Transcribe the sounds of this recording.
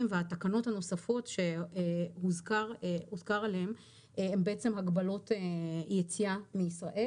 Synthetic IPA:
mveatakano̞thano̞safo̞tʃe̞huzkaʁuzkaʁaleem | embeet͡se̞mhaɡbalo̞tejet͡siamiːsʁaʔe

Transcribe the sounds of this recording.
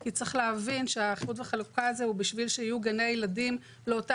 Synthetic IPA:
kit͡sʁeχleavinʃeaχbutveχalukaazeubiʃvilʃeijuɡanejeladim | leota

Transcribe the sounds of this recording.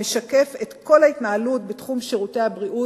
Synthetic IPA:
meʃake̞fetko̞laitnaalutbetχumʃiʁutehabʁiʔu

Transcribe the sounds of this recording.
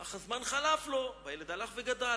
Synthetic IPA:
aχazmanχalaflo̞bajeled̪alaχveɡad̪a

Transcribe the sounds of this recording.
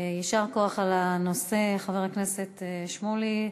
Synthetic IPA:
jaʃaʁkoaχalanose̞χaveʁakne̞se̞t̪ʃmoli

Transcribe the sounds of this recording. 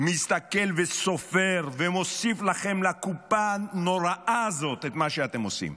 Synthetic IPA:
mist̪akɛlvesofeʁvemosiflaχɛmlakupanoʁaʔazot̪ɛt̪maʃeat̪ɛmosḭm

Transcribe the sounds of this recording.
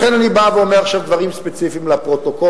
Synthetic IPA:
χenanibaveomeaχʃavd̪vaʁimspet͡sifiːmlapʁot̪oko

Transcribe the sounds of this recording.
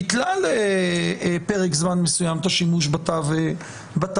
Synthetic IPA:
iklale | peʁekzmanmesujamt̪aʃimuʃbatav | bat̪

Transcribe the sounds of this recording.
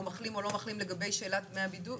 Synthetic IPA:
maχlimo̞lo̞maχlimleɡabe̞jʃe̞ːlatmeabidu

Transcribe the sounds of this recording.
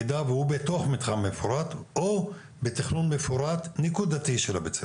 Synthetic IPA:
d̪avehubet̪oχmit̪χamefoɾat̪o | bet̪iχnunmefuɾat̪nikud̪at̪iʃelabet͡se

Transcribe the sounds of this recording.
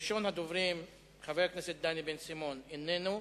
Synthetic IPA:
ʃonhad̪ovʁim | χaveʁkneset̪̚d̪anibensimonenenu

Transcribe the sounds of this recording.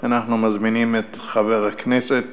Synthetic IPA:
anaχnumazminiːmːɪt | χavɛʁaknɛsɛt

